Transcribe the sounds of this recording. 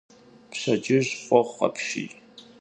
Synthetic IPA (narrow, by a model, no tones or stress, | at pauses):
pɕɐd͡ʒɪʑqʷʼɔʁːɐ̰pʰʃḭ